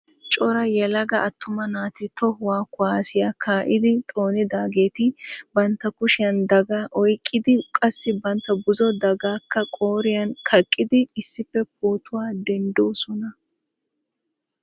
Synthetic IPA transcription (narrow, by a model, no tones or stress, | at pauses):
t͡ʃʼɔɾɐjɛlɐɡɐʔɐt̪ːʊmɐnaːt̪ɪt̪ɔhʊwaːkːʊaːsɪjakʰaːʔɪd̪ɪt̪ʼo̞ːnɪd̪aːɡeːt̪ɪbɐnt̪ːɐkʊʃɪjɐnd̪ɐɡaːʔɔjkʼːɪd̪ɪkʼɐsːɪbɐnt̪ːɐbʊzɔd̪ɐɡaːkːɐkʼoːɾɪjɐnkʰɐkʼːɪd̪ɪːsːɪfːɛp̚oːt̪ʊwaːd̪ɛnd̪oːsɔnɐ